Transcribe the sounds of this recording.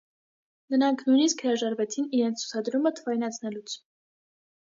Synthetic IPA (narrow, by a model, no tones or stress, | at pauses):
nəɾɑŋkʰnujniskhəɾɑʒɑɾvɛt͡sʰiniɾɛnt͡sʰt͡sʰu̥t͡sʰɑd̪ɾumət̪ʰəvɑjnɑt͡sʰnɛlut͡sʰ